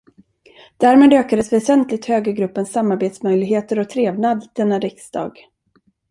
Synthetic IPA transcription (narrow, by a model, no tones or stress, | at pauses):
d̪̥æɾmeːd̪øːkad̪əsvɛsɛnt̪lɪɡ̚t̪høːɡaɡɾɵpːənsːamːaɾbeːt̪smœjlɪɡɦeːt̪əɾɔt̪ʰɾeːvnad̪d̪̥ɛnːaɾɪksd̪ɑ̰ːɡ